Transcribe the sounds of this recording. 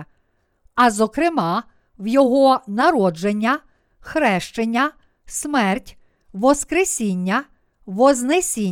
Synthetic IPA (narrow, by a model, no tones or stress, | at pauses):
ɐzɔkɾɪmɑ | wjɔɦɔnɐɾɔd͡ʒenʲːɐ | xɾɛʃt͡ʃenʲːɐ | smɛrtʲ | ʋɔskɾesʲinʲːɐ | ʋɔznesʲi